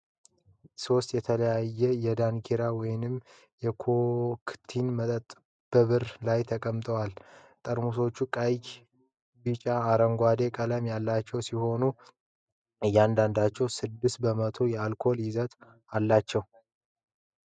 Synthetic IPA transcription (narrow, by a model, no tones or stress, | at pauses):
so̞st̪jɛt̪ʰələjajːɛjɛd̪ankʰeɾawɔjɪnɨm | jɛkʰokʰt̪ʰinmət̪ʼət̪ʼ | b̥əβɨɾlajt̪ʰəkʼəmt̪ʼəwal | t̪ʼəɾmuso̞t͡ʃːukʼajk | bit͡ʃʼaːɾəŋɡʷad̪e̞kʼələmjalːat͡ʃːɛwsiho̞nu | ɨjːand̪and̪at͡ʃːɛwsɨd̪ːɨst̪̚bəmət̪ʰo̞jɛalkʰo̞ljɪzət̪ | alːat͡ʃːɛw